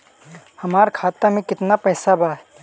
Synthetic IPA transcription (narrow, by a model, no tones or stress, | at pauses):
həmaːɾkʰaːt̪amẽkɪt̪napɛːsabaɦɛ